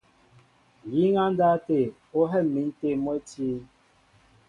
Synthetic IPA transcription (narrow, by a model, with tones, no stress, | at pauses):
ji˦ŋa˦n˦da˦te˦˨ | o˦ɦɛ˦˨mːi˨˦n˦te˦˨mə˦ti˦